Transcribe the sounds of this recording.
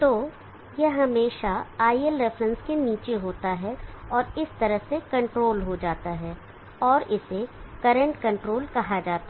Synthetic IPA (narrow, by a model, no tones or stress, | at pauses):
t̪oː | jɐɦɐmeːʃaaːiəlɾɛfɾə̃nskeniːt͡ʃeɦoːt̪aɦɛɔːɾɪst̪ɐɾəɦsekɐ̃ɳʈɾoːlɦod͡ʒaːt̪aɦɛː | ɔːɾɪsekɐɾə̃ɳʈkɐ̃ɳʈɾoːlkɐɦad͡ʒaːt̪a